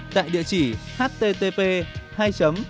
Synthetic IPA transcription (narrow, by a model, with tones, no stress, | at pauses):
t̪a̰ː˧˨jɗḭ˧˨ət͡ɕi˧˩haː˦˥t̚t̪e˧t̪e˧pe˧haː˧jt͡ɕə˨˦m